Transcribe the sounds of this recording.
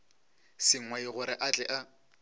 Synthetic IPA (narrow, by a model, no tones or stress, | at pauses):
sɪŋ̩waiɣʊɾɪʔat͡ɬʼɛʔa